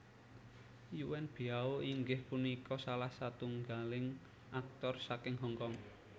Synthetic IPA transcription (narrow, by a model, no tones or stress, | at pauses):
juwɛnb̥i̤aoiŋɡɪhpunikɔsalahsat̪uŋɡalɪŋ | ʔak̚t̪ɔrsakɪŋɦɔŋkɔŋ